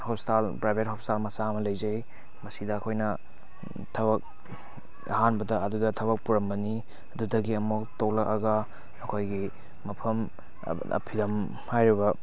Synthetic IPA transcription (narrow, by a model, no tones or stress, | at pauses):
hopstalpɾajbet̚hopstalmɐsaɐmɐlɐjzɐj | mɐsidɐːkʰojnɐ | tʰɐbɐk̚ | ɐ̰ɦanbɐdɐɐdudɐtʰɐβɐk̚puɾɐmbɐni | ɐdudɐɡiɐmuktoklɐkɐɡɐ | ɐkʰojɡi | mɐpʰɐm̰ | ɐ̰pʰidɐm | hajɾibɐ